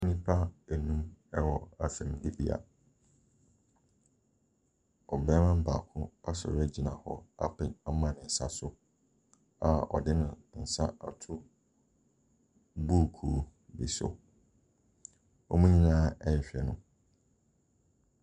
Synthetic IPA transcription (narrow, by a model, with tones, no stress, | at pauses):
mĩ˦pʰa˦æ˨nũ˦mɛ˦wɔ˨a˨sɛ̃˨m˨˦di˦bḭ˨a̰˨ | ɔ˨bɛː˦mã˦m̩˦ba̰ː˨kʰʊ̃˦a˦sɔ̰˨ɾɛ˦d͡ʑi˨nã˨hɔ̰˦a̰˦pʰɪ̃˨na˦mã˨nɪ̃˨sa˦sʊ˦ | a˨ɔ̰˨dɪ˦nʊ̃˨n̩˨sa˦a˨tʰʊ˦ | buː˦˨kʰuː˨bḭ˨sʊ̰˨ | ɔ˦mũ˦ɲĩ˦nãː˦ɛ˦jɛ˨ɕᶣɛ˨nʊ̃˨